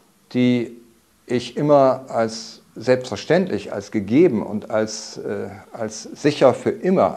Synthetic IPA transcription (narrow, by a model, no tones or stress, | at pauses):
d̥iː | ʔɪçʔɪmɐals | z̥ɛlpstfɛɐʃtɛntʰlɪça̰lsɡ̥əɡeːbm̩ʊ̰ntalsː | alsz̥ɪçɐfyːɐʔɪmɐ̰